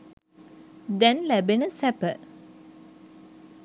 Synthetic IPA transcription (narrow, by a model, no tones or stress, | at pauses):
d̪ɛnlæbenəsæpə